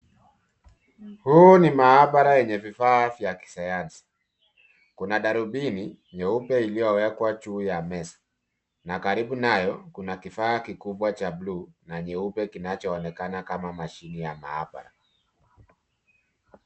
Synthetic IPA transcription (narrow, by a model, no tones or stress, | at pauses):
huːnimaaɓaɾajɛɲɛvifaːvjaki̥sajansi̥ | kunaɗaɾuɓini | ɲɛupɛilijɔwɛkwat͡ʃuːjamɛsḁ | nakaɾiɓunajɔkunakifaːkikuɓwat͡ʃabluːnaɲɛupɛkinat͡ʃɔːnɛkanakamamaʃinijama̰a̰ɓa̰ɾa